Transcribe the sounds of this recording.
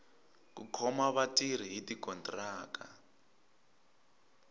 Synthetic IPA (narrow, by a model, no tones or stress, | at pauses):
k̬ṵkʰɔmaβatiɾ̤iɦitikɔntraːka